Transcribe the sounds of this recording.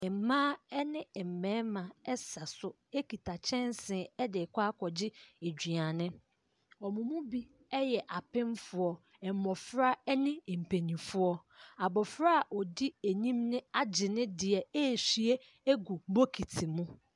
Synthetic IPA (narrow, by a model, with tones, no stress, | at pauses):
ɛ˨m˨mãː˦ɛ˦nɪ̃˦ɛ˨m̩˨mɛ̃ː˦mã˨ɛ˦sa˨sʊ˦ | e˦ki˨tʰa˨t͡ɕʰɛ̃˦n˦sɪ̃˨ɛ˦dɪ˨kʰʷa˦kʰɔ˨d͡ʑɪ˦e˨d͡ʑᶣi˨a˨nɪ̃˦ | ɔ˨mʊ̃˨mʊ̃˦bi˦ | ɛ˦jɛ˨ʔa˨pɪ̃˦n˦fʊ˨ɔ˨ | ɛ˨m˨mɔ˨fɾa˦ɛ˦nɪ̃˦˨m̩˨pʰe˨nĩ˨fʊ˦ɔ˦ | a˨bɔ˨fɾa˦˨ʔɔ˨di˦e˨ɲĩ˦mnɪ̃˦a˦d͡ʑɪ˨nɪ̃˦dɪ˨ɛ˨e˦˨si˨e˦ | e˦ɡu˨m̩˦bo˦kʰi˨tʰi˨mũ˦